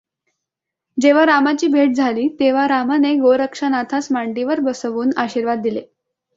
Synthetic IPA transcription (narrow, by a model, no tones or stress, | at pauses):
d͡ʑeʋ̤aɾamat͡ɕiːbʱeʈ̚d͡zʱaliːt̪eʋ̤aɾamaneɡoɾəkʂanat̪ʰasmaɳɖiʋəɾbəsəʋuːnaɕiːɾʋad̪̚ːile